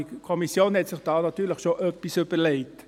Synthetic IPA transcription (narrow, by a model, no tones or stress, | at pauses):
ikʰɔmisjoːnhɛtsɪχd̥ɑːnɑt̪yːɾləχʃoʔœpːisʏbəɾlɛɪt